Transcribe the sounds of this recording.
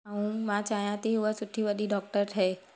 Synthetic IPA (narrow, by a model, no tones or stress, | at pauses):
aũmãt͡ʃaːɦjãt̪iuʋəsʊʈʰːibəd̪ʱiɖɔːk̚ʈəɾt̪ʰeː